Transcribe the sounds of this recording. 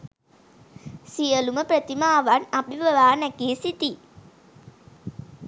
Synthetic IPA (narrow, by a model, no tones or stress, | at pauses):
sijəluməpɾət̪imaːʋanabibəʋaːnækeːsit̪i